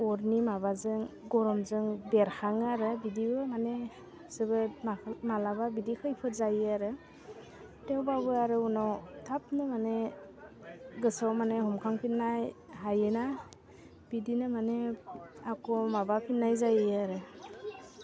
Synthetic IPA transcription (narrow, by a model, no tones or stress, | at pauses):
ɔɾnimaβazɯŋɡɔɾɔmzɯŋbeɾhʰaŋaɾɯbidibɯmane | sɯbɯmamalababidikʰɯjpʰɯzajaɾɯ | tewbabɯaɾɯunɔwtʰap̚nɯmane | ɡɯsawmaneɦɔmkʰaŋpʰinːajhajɯna | b̥idinɯmaneakɔmabapʰinːajzajɯaɾɯ